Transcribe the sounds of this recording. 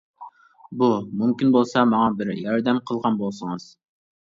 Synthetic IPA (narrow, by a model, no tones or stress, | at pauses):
bumymkʲinbolˠsɑmɑŋɑbɪɾjɑɾd̪ɛmqʰəlˠʁɑnbolˠsəŋɨz̥